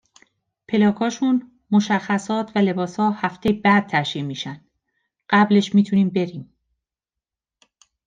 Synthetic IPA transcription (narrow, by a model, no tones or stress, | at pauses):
pʰe̞lɒːkʰɒːʃun | mo̞ʃæxːæsɒːt̪ʰvæle̞bɒːshɒːhæft̪ʰejbæd̪̚t̪ʰæɾʃiemiːʃænd̪̥ | ɢ̥æble̞ʃmiːt̪ʰuniːmbe̞ɾiːm